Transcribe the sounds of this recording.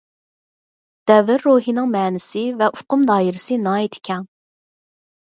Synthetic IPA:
d̪̥ɛvɪɾːoːɦinɨŋmɛːnɪsɪvɛʔufqʊmd̪ɑːiɾɪsɨnɑːet̪ʰi̥kʲʰɛŋ

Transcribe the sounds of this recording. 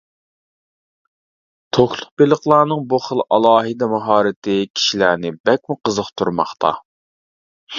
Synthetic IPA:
t̪ʰoxlˠʊqbelˠəχlˠɑːnɨŋbuχəlˠɑlˠɑːɦɨd̪ɛmɑɦɑːɾɪt̪ʰɪkʲʰi̥ʃilænɪbɛk̚ʲmuqəzəχt̪ʰuɾmɑ̰χt̪ʰɑ̰

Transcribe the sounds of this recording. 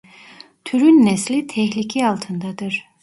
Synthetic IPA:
t̪ʰyɾynːɛslʲit̪ʰɛçlʲicʰialˠt̪ʰɯnd̪ad̪ɯɾ̥

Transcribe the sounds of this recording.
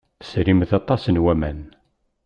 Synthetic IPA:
θəsɾimθɑt̪ˤɑsənwæmæn

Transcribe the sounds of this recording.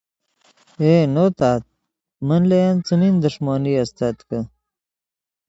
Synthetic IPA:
enoːt̪aːt̪̚ | mɐnlejant͡sumind̪uʂmaːniɐst̪ɐt̪kə

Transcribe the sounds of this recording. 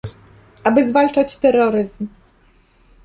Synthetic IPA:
ʔabɘzvalt͡ʂat͡ɕt̪ɛɾɔɾɘzm

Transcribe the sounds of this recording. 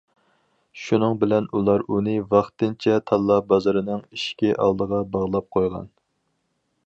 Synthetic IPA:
ʃunɨŋbɪlɛnulˠɑɾunɨvɑχt̪ɨnt͡ʃʰɛt̪ʰɑlˠːɑbɑzɑɾɨnɨŋiʃkʲiʔɑ̰lˠd̪əʁɑbɑʁlˠɑp̚qʰojʁɑ̰n

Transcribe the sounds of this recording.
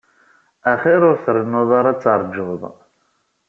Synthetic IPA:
æχiɾʊɾθɾənːʊðˤaɾˤɑt͡sːɑɾˤd͡ʒːʊðˤ

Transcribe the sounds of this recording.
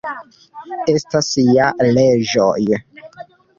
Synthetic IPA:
e̞stasialed͡ʒo̰j

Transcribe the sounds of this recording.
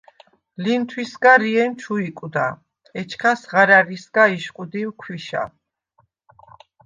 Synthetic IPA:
lint̪ʰwisɡaɾiɛnt͡ʃʰuikʼud̪a | ɛt͡ʃʰkʰasʁaɾaɾisɡaiʃqʼud̪iwkʰwiʃa̰

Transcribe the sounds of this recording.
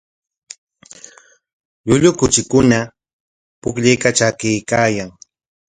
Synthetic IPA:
ʎʊʎʊkʊt͡ʃɪkʊna | pʊkʎejkat͡ʃakɪjkaːjaŋ

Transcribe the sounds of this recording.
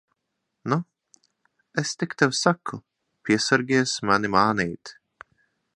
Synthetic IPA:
nu | ɛst̪ɪkt̪ɛwsakʰːʊ | pʲiɛsaɾɡʲiɛsmanimaːnijt̪

